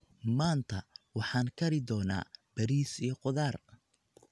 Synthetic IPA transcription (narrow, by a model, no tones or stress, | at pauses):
maːnt̪ʰɐwɑħɑːŋkʰɐɾɪd̪ɔːna̰ːb̥ɐɾiːsijɔqʊðaːr